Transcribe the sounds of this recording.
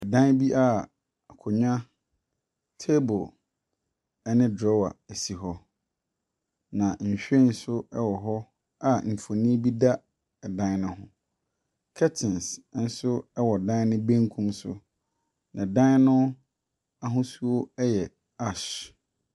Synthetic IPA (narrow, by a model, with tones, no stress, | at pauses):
ɛ˨dã˦n˦bi˦ʔa˦˨ | kʰʊ˨ɲã˦ | tʰe˦bʊ˨ | ɛ˦nɪ̃˦dɾɔ˦wa̰˨e˨si˨ɦɔ˦ | nã˨ɲ̩˨ɕᶣe˦n̩˦sʊ˦ɛ˦wɔ˨ɦɔ˦ | a˦m̩˨fo˨nĩ˦bi˦da˦ | ɛ˨dã˦n˦nʊ̃˦hʊ̃˦ | kʰɛ˦tʰɪ̃˨nsn̩˦sʊ˦ɛ˦wɔ˨dã˦nʊ̃˦bẽ˦ŋkʰũ˦msʊ̰˨ | nã˨dã˦n˦nʊ̃˦ | a˦ɦʊ̃˦su˦o˦ɛ˦jɛ˨ | a˦˨ʃ